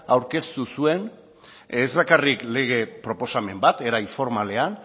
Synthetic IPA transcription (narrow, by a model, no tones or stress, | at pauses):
awɾke̞st̪usue̞n | ezβakarikle̞ɣ̞e̞pɾo̞po̞same̞mbat̪e̞ɾajfo̞ɾmale̞an